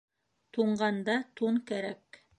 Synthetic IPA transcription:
t̪uɴɢɑnd̪ɑt̪uɴkæɾæk

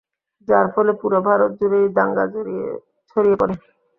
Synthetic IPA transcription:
d͡ʑaɾfɔlepuɾobʱaɾot̪̚d͡ʑuɾed̪aŋɡa | t͡ɕʰoɾijepɔɾen

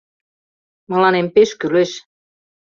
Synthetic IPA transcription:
mɤ̆lɑnempeʃkyleʃ

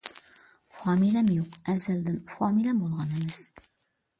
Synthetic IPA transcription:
fɑmilæmjuqæzæld̪ɘnfɒmilæmbulˠʁɑnimæs

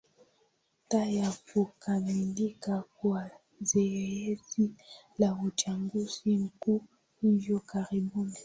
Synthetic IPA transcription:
tajakukamilikakua | zeezi | lahut͡ʃaŋɡusiŋ̩ku | ivɔkaʁibuni

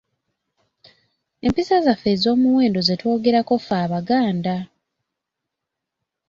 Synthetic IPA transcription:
e̞mpisazafezo̞ːmuwe̞ːndo̞ze̞to̞ːɡe̞ɾako̞faːβaɡaːnda

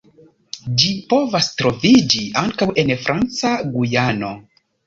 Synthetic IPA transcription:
d͡ʒipo̞vastɾo̞vid͡ʒiaŋkawe̞nfɾʔant͡saɡujano̞

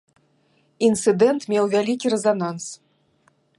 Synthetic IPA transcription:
int̪sɨd̪ɛnt̪mʲewvʲalʲikʲiɾɛzanans

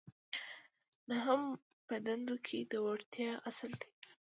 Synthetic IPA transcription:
naɦəm | pəd̪and̪okʰed̪əwaɽt̪jɑasəld̪e

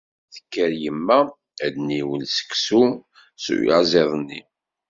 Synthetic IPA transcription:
θə̥kːəɾjəmːæ | æd̪niwəlsə̥ksu | sṵj̰zˤeðˤnːi

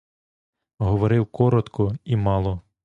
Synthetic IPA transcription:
ɦɔʋɔɾɪwkɔɾɔt̪kɔimɑlˠɔ

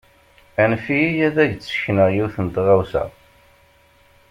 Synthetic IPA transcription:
ænfijæðæʝt͡sːə̥çnəʁjiθənt̪ʁæwsæ̰

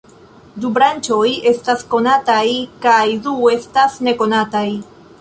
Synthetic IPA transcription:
dubɾant͡ʃo̞je̞stasko̞natajkajdue̞stasne̞ko̞nataj

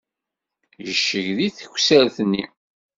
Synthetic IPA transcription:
jəʃːəʝðiθəçʷsəɾθnːi

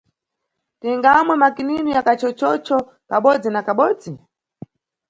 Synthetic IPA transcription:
tiŋɡamwɛmakininujakat͡ʃɔt͡ʃɔt͡ʃɔ | kaɓɔd͡zinakaɓɔːd͡zi

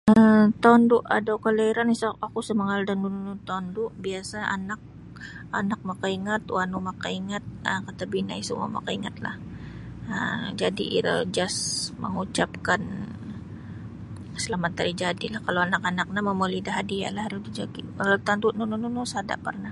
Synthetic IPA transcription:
ət̪ɔnduʔadawkəlaiɾanisakusəmaŋaldanːununut̪ɔndʊʔbiasaʔa̰nak̚ | a̰nak̚makaiŋat̪wanumakaiŋat̪̚əkat̪abina̰isuma̰ma̰kaiŋat̪̚la̰h | əd͡ʒadiʔḭɾə̰ld͡ʒasmə̰ŋut͡ʃap̚kan | səlamat̪ːaɾid͡ʒadilahkalowanakanak̚naməmolidaɦadia̰lahaɾusdid͡ʒaɡiat̪anduʔnunununusada̰ʔpərnah

